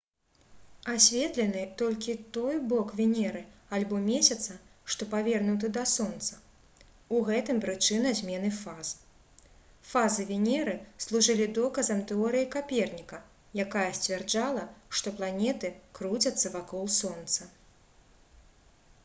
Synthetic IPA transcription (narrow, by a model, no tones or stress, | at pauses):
asʲvʲɛt̪lʲɛnɨt̪ɔlʲkʲit̪ɔjbɔkvʲinʲɛɾɨalʲbɔmʲɛsʲɐt̪sɐʂt̪ɔpavʲɛrnut̪̬ɨd̪ɐsɔnt̪sɐ | uɣɛt̪ɨmpɾɨt͡ʂɨnɐzʲmʲɛnɨfaz | fazɨvʲinʲɛɾɨslˠuʐɨlʲid̪ɔkɐzɐmt̪ɛɔɾɨjikapʲɛrnʲikɐ | jakajɐsʲt͡sʲvʲɛrd͡ʐalˠɐʂt̪ɔplˠanʲɛt̪ɨkɾut͡sʲɐt̪sːɐvakɔlˠsɔnt̪sɐ